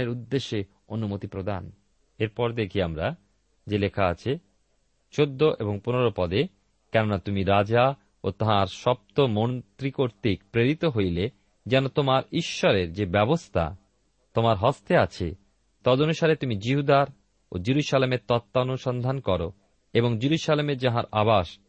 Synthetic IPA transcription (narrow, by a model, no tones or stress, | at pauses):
eɾud̪ːeʃːe | onumot̪ipɾod̪ʱa̰n | eɾpɔɾd̪ekʰiamɾa | d͡ʑelekʰaat͡ɕʰe | t͡ɕod̪ːoʔeboŋponeɾopɔd̪e | kɛnonat̪umiɾad͡ʑa | ot̪aɦaɾʃɔp̚t̪omont̪ɾikoɾt̪ikpɾeɾit̪oɦojle | d͡ʑɛnot̪omaɾiʃːɔɾeɾd͡ʑebɛbost̪ʰa̰ | t̪omaɾɦɔst̪eat͡ɕʰḛ | t̪ɔd̪onuʃaɾet̪umid͡ʑiɦud̪aɾ | od͡ʑiɾuʃalemeɾt̪ɔt̪ːanoʃɔnd̪ʱankɔɾo | eboŋd͡ʑiɾuʃalemeɾd͡ʑaɦaɾabaʃ